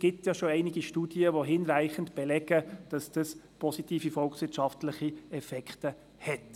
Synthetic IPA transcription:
sɡ̥ɪtjɑʃoæɪnɪɡiʃtuːd̥jəʋoɦɪnɾæɪχəntb̥ɛlɛɡ̥əd̥ɑsd̥ɑspʰɔsitiːfifɔlksʋɪtʃɑftlɪχiɛfɛkʰtə | hɛt

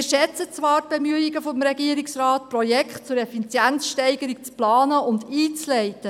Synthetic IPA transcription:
ʃɛt͡sət͡sʋɑːɾt̚b̥emyəiɡəfɔmɾɛɡiːəɾiksɾɑːtprɔjɛkʰtt͡sʊɾɛfit͡sjænsʃtɛɪɡəɾik̚t͡splɑːnəʊndiːt͡slɛɪtə

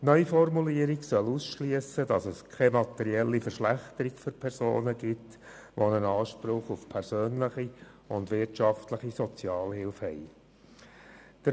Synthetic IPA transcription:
nœʏfɔrmuliəɾiɡsœlusʃlyəsədɑsɛskʰɛmɑt̪ɛɾiɛlːifəɾʃlæχt̪əɾikføɾpʰɛɾso̰ːnəɡɪt | ʋonənɑːʃpɾʊχufpʰɛɾsøːnləχiʊndʋɪɾtʃɑftləχisɔt͡sjɑːlhɪlfhɛj | d̥ə

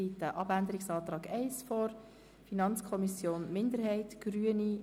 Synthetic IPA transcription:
iːtəʔɑbænd̪əɾɪksɑːt̪ɾɑːɡɛɪsfɔːɾ | finɑnt͡skʰɔmisjoːnmɪndəɾɦɛɪtɡ̥ɾyəni

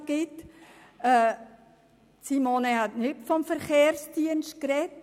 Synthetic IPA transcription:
ɡ̥ɪt | ɛː | simoːnehatnʏtfɔmfəɾχeːrsd̥iənʃt̚krɛt

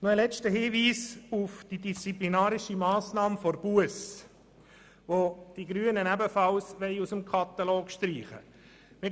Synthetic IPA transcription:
noəlɛt͡ʃtəɦɪːʋiːsufd̥idist͡siplinɑːɾɪʃimɑːsnɑːmfoɾb̥uəs | ʋod̥iɡɾyənənæbəfɑlsʋɛɪusəmkʰɑt̪ɑlɔːkʃtɾiːχə̰ | mɪ

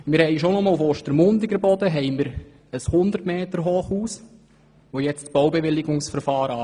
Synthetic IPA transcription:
mɪɾhɛɪʃonɔmːufoːʃtəɾmʊndɪɡəɾbɔd̥̪əɦɛɪməɾ | əshʊnd̪əɾtmeːtəɾɦoːχuːs | ʋojɛt͡stb̥ɔwbeʋɪlɪɡʊŋsfəɾfɑːɾəɑ

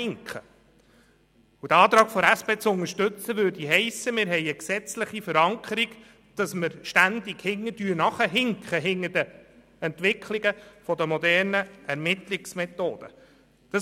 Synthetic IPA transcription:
ɪŋkχə | ud̥̪əɑːt̪ɾɑːɡ̥fɔɾæspeːt͡sʊŋəɾʃtɵt͡səʋøːrdiɦɛɪsːəmɪːɾɦɛɪəksɛt͡slɪχifəɾɑŋkʰəɾiɡ | d̪̥ɑsməɾʃtænd̪iɡhɪŋːədyːnɑχəɦɪŋkχəɦɪŋːəd̥ə | ɛnt̪ʋɪkʰliɡ̥əfɔd̪əmɔd̪ɛrnəæɾmɪt̪liksmɛt̪o̰ːd̥̪ə̰ | d̥ɑ

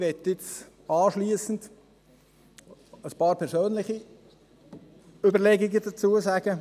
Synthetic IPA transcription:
ʋɛtɪt͡s | ɑːʃliːsən̩d | əspɑːɾpʰɛɾsøːnlɪχi | ʏbəɾlɛːɡiɡəd̥at͡suəsaːɡə

